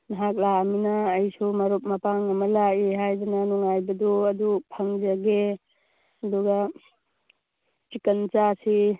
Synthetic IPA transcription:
nɐɦak̚laminaːjsumɐɾop̚mɐpaŋɐmɐlaiɦajdananuŋajbɐdɔɐd̪upʰaŋzaɡe | ɐd̪uɡa | t͡ʃikɐnt͡ʃasi

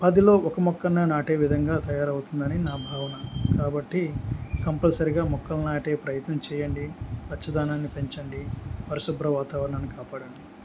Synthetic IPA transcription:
pɐd̪ilo̞ːʔɔkɐmɔkːɐnɐnaːʈe̞ːʋid̪ʱɐŋɡaːt̪ɐjaːɾɐwut̪und̪ɐninaːbʱaːʋɐnɐkaːbɐʈːikɐmpɐlɐsɐɾiɡaːmɔkːɐlnaːʈe̞ːpɾɐjɐt̪nɐmt͡ʃɛːjɐɳɖipɐt͡ʃːɐd̪ʱaːnaːnːipe̞ɲt͡ʃɐɳɖipɐɾɐsubɾɐʋaːt̪aːʋɐɾɐɳɐnːikaːpaːɽɐɳɖi

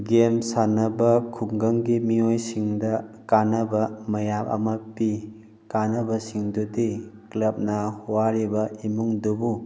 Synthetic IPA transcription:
ɡemsanɐbɐkʰuŋɡɐŋɡimiojsiŋdɐkanɐbɐmɐjapɐ̰mɐpi | kanɐbɐsiŋdudiklɐp̚nɐhuwaɾibɐimuŋdobu

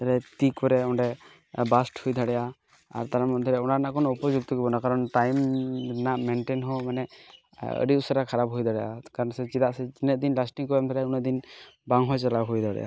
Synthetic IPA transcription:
t̪aɾɛt̪ikɔɾɛɔnɾɛ | basʈhujd̪ʱaɽɛja | a̰ɾt̪aɾamɔnd̪ʱɔɾɛunaɾnaʔkʰɔnupɔd͡ʒuk̚t̪ɔkɛbɔnakaɾɔnʈajmnaʔmɛnʈenɦɔmanɛ | ə̰ɽiusaɾakʰaɾap̚ɦojd̪ʱaɽɛja̰kaɾɔnsɛzid̪aʔsɛd͡ʒinɛt̪d̪inlasʈiŋkɔamt̪ʰɔɾɛunɛd̪inbaŋɦɔjt͡ʃalawɦojd̪ʱaɽɛ̰ʔa̰

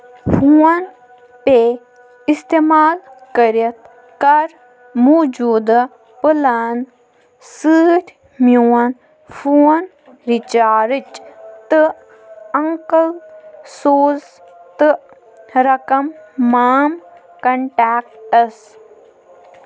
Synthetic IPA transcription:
fuɐn | pe | ist̪emaːlkɐɾɐt̪ | kɐɾ | muːd͡ʒuːd̪ɐ | pɨlan | sɨːʈʰʲ | mjuːɐn | fuːɐn | ɾit͡ʃaːɾɨt͡ʃt̪ɨ | ɐŋkəlsoːz | t̪ɨ | ɾɐkɐmːaːm | kɐɳʈaːk̚ʈɐs

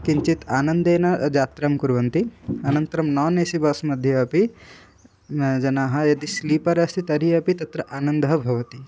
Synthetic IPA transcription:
kiɲt͡ʃit̪aːnɐnd̪eːnɐd͡ʒaːt̪ɾɐmkuɾʋɐnt̪iɐnɐnt̪ɐɾɐmnaːneːsibɐsmɐd̪ʱjɐɐpi | d͡ʒɐnaːɦɐ̆jɐd̪isliːpɐɾɐst̪ʰit̪ɐɾiɐpit̪ɐt̪ɾɐʔaːnɐnd̪ɐɦɐbʱɐʋɐt̪i

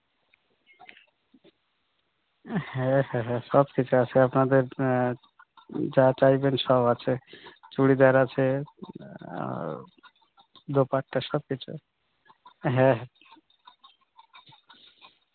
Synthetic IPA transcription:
hɛ̃ɦɛɦɛ̃ʃɔbkit͡ɕʰuat͡ɕʰeapnad̪eɾ | d͡ʑat͡ɕajbenʃɔbat͡ɕʰet͡ʃuɽid̪ɛaɾat͡ɕʰe | d̪opaʈ̚ʈaʃɔb̚kit͡ɕʰṵ | ɦɛ̃ɦ

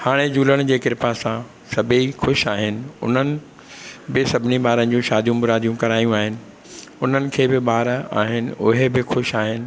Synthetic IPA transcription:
haːɽ̃ed͡ʑuːləɽ̃d͡ʑeːkɪɾpasã | sɐbʱixʊʃaːɦɪnɪ̆ʊ̰n̤ənɪ̆ | bɪsɐbʱɪniɓaːɾənɪ̆d͡ʑũʃaːd̪ʱijũmʊɾaːd̪ʱijũkɐɾaːjũaːɦɪnɪ̆ | ʊn̤ənɪ̆kʰeːbɪɓaːɾaːɦɪnɪ̆ʊɦebɪxʊʃaːɦɪnɪ̆

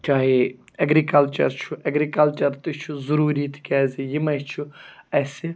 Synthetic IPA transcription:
t͡ʃaːi | ɐɡɾikɐlt͡ʃɐ̰ɾt͡ʃʰuʔɐɡɾikɐlt͡ʃɐɾt̪ut͡ʃʰuzuɾuːɾiːt̪kʲɛːzijimɐt͡ʃʰuɛsi

